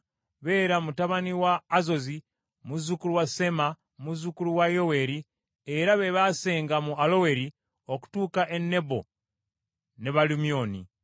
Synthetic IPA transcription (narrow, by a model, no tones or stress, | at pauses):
βe̞ːɾamutaβaniwaːzo̞zi | muzukuluwase̞ma | muzukuluwajo̞we̞ɾi | e̞ɾaβe̞βase̞ːŋɡamualo̞we̞ɾi | o̞ku̥tuːkaʔe̞nːe̞bo̞ | neβalumio̞nḭ